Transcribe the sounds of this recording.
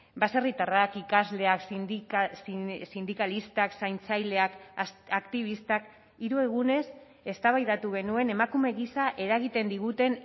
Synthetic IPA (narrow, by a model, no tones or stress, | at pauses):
base̞rit̪arakikazle̞aksssind̪ikalist̪aksajnt͡sajle̞akakt̪iβ̞ist̪ak | iɾue̞ɣ̞une̞s | e̞st̪aβajðat̪uɣ̞e̞nue̞ne̞makume̞ɣisaʔe̞ɾaɣit̪e̞nd̪iɣut̪e̞n